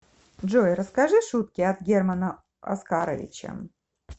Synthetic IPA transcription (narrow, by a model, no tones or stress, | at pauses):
ʐojɾəskaʐɨʂut̪̚kʲɪat̪ɡʲermɐnə | ɐ̰skaɾəvʲɪ̰t͡ɕɐ̰